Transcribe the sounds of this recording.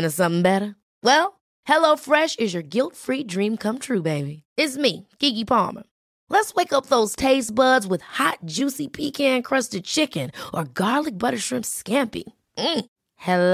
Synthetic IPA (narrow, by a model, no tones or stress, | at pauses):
nɨsʌ̃mθɪ̃ŋbɛɾə˞ | wɛlˠ | hɛloʊfɹɛʃɨzjə˞ɡɪlˠtfɹidɹĩmkʰʌ̃mt̪ʰɹʉbeɪbiɪtsmiɡ̥iɡipʰɑ̰ɹmə̰˞ | lətsweɪkʌp̚ðoʊz̥tʰeɪsb̥ʌdzwɨð̥hɑt̚d̥ʒ̥ʉsipʰikʰæ̃nkʰɹ̥ʌstɨd̚t͡ʃʰɪkɨ̃nʔə˞ɡɑɹlˠɨk̚b̥ʌɾə˞ʃɹ̥ɪ̃mpskæ̃mpḭ | m̩ | hɛ